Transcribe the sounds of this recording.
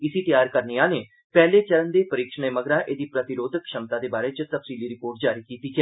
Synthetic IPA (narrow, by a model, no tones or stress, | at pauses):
ɪsiːt̪əjaːɾkəɾnijãːneː | pɛːleːt͡ʃəɾənd̪eːpəɾɪkʃəneːməɡɾãːʔeːd̪iːpɾət̪ɪɾoːd̪ʱəkʃəmt̪aːd̪eːbaːɾeːt͡ʃsəfsiːliːɾɪpoːɾʈ̚d͡ʒaːɾiːkiːt̪iːkɛː